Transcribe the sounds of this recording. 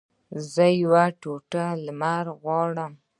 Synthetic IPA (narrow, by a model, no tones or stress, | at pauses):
zəjwaʈoʈalmaɾɣwɑɽəm